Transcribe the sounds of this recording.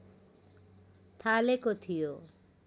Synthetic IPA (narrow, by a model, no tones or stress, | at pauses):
t̪ʰalekot̪ʰijo